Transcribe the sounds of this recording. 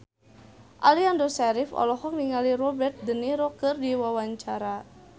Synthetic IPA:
ʔaliandɔsɛɾifɔ̰lɔɦɔŋniŋalirɔbɛrt̪̚dəniɾɔkɨrdiwawaɲt͡ʃaɾa

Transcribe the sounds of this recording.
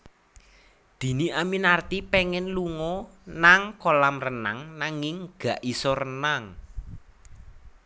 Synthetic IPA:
d̪̥i̤niʔaminart̪ipɛŋɛnluŋɔnaŋkolamrəna̰ŋnaŋɪŋɡ̥a̤ʔisɔrənaŋ

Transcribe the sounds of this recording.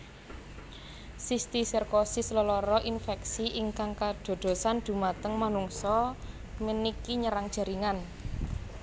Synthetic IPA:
sist̪isirkosislɔlɔɾɔʔinfɛksiʔiŋkaŋkad̪̥o̤d̪̥o̤sand̪̥ṳmat̪əŋmanuŋsɔ | mənikiɲəɾaŋd̥ʒ̥a̤ɾiŋan

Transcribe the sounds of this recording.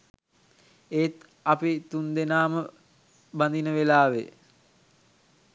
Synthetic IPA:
eːt̪ | ɐpit̪und̪enaːmə | band̪inəʋelaːʋḛ

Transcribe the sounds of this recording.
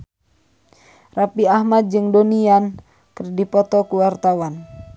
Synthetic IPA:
rapiahmat̪̚d͡ʒɨŋdonian | kərdipɔt̪ɔkuwart̪awan

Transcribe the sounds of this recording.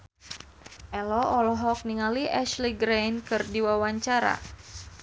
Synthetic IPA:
ʔɛlɔɔlɔɦɔk̚niŋaliɛʃliɡɾenkɨrdiwawaɲt͡ʃaɾa̰

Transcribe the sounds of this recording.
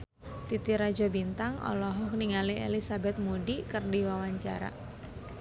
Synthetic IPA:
t̪it̪iɾad͡ʒabint̪aŋʔɔ̰lɔɦɔkniŋaliḛlisabɛt̪̚mudikərdiwawaɲt͡ʃa̰ɾa̰

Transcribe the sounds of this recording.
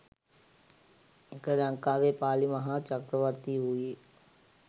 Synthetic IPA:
ɪkəɾə̃ŋkaːʋepaːliməɦãːt͡ʃəkɾəʋəɾt̪iɦʊiː

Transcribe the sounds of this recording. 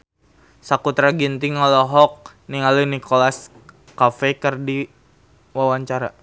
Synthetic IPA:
sakut̪ɾaɡint̪iŋalɔɦɔk̚niŋalənikolas | kafɛkərdi | wawaɲt͡ʃaɾa

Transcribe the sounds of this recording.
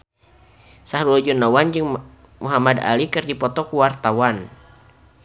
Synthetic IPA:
saɦɾulɔd͡ʒɔnːawand͡ʒɨŋ | muɦamada̰likɨrdipɔt̪ɔkuwart̪awan

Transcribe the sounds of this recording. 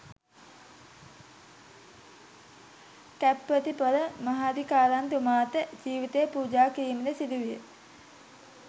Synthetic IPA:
kæpːʋət̪ipələmaɦad̪ikaːlant̪umaːt̪əd͡ʒiːʋit̪ejəpuːd͡ʒaːkiɾiːməd̪əsid̪uʋijə

